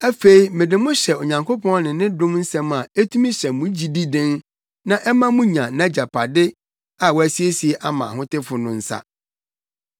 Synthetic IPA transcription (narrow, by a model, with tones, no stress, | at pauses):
æ˦fe˦i˦mɪ̃˨dɪ˨mʊ̃˦ɕɛ˨o˨ɲã˨ŋkʰo˦pʰɔ̃˦n˦nɪ̃˨nɪ̃˦dʊ̃˦mn̩˦sɛ̃˦ma˨e˦tʰũ˦mĩ˦ɕɛ˨mũ˨˦d͡ʑi˦di˦dɪ̃˦n | nã˦ʔɛ˦mã˦mũ˦ɲã˨nã˦d͡ʑa˨pʰa˨dɪ˦ | a˨wɔ˦æ˨si˦e˦si˨e˦ʔa˦mã̰˨ɦʊ̃˦tɪ˦fʊ˨nʊ̃˨n̩˦sa̰˦